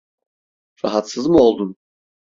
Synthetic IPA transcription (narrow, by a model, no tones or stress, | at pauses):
ɾa̰ɦat̪sɯzmɯo̞lˠd̪un